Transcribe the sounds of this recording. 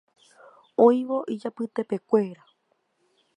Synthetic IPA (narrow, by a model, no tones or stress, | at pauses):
õjʋo̞ʔid͡ʒapɨt̪e̞pe̞kʷe̞ɾa